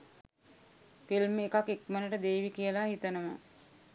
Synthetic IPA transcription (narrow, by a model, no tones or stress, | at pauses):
pilmeːkakekmənəʈəd̪eːʋikijəlahit̪ənəmə̰